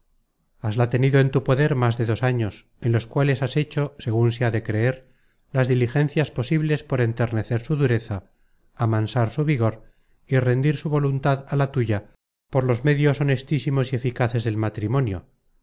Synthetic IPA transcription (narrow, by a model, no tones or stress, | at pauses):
azlat̪e̞niðoe̞nt̪upo̞ðe̞ɾmazðeðo̞saɲo̞s | enlo̞skwale̞saset͡ʃo̞se̞ɣ̞unseaðe̞kɾe̞eɾ | lazðilixe̞nθjaspo̞siβle̞spo̞ɾe̞nt̪e̞ɾne̞θe̞ɾsuðuɾe̞θaː | mansaɾsuβiɣo̞ɾ | ire̞nd̪iɾsuβo̞lunt̪aðalat̪uʝa | po̞ɾlo̞zme̞ðjo̞so̞ne̞st̪isimo̞sie̞fikaθe̞zðe̞lmat̪ɾimõ̞njo̰